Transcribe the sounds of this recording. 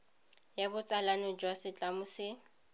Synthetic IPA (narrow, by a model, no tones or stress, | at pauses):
jabʊt͡sʼalanɔd͡ʒwasɪt͡ɬʼamʊsɪ